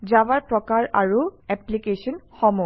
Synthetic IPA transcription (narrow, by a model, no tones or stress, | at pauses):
zabaɹpɹɔkaɹa̰ɹuɛplikesɔnxɔmɔ